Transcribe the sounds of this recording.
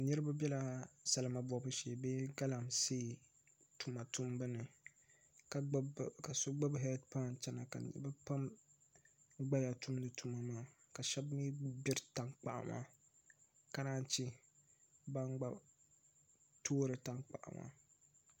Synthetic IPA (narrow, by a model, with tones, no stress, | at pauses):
nɨ˦ɾɨ˦ba˦bʲjɛ˦la˦sa˨la˨ma˨bɔ˨bɨ˦ʃeː˨be˦ɡa˦la˨mseː˦˨ | tu˨ma˨tu˦mbɨ˦nɨ˨ | ka˦ka˨so˦ɡ͡ba˦bɦɛ˦dpa˦˨nt͡ʃɛ˦na˨ka̰˨nɨ̰˦a˦pa˦m | ɡ͡ba˦ja˨tu˦mnɨ˨tʰu˦ma˨maː˦˨ka˨ʃɛ˦bmi˦bɪ˦ɾta˦ŋk͡pa̰˨ʔa̰˨ma̰˦ | ka˨˦naː˦n˦t͡ʃi˦ | ba˦ŋɡ͡ba˦ | tʰoː˦ɾɨ˨ta˦ŋk͡pa̰˨ʔa̰˨mʔa̰˦